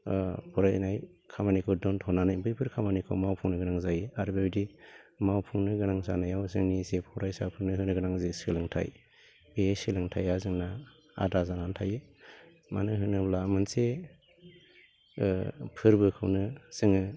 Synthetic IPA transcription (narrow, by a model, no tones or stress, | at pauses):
pʰɔɾajnaj | kʰamanikʰɯwdɔntʰɔnanajbɯjpʰɯɾkʰamanikʰɯ̰wmawpʰuŋnɯɡɯnaŋzajiaɾbebdimawpʰuŋnɯɡɯnaŋsanajawzɯŋnisepʰɔɾajsa̰pʰɯŋnɯɦɯnɯɡɯnaŋzesɯlɯŋtʰa̰j | besilɯŋtʰajazɯŋna | a̰dazanantʰaji | ma̰nɯɦɯnɯblamɯnse | pʰɯɾbɯkʰɯ̰wnɯz̥ɯŋɯ